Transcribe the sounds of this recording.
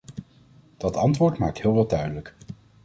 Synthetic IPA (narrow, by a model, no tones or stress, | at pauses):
d̥ɑtɑntʋʊːɹtma̰ːk̚tɦɪːlˠʋɑdœɥdələk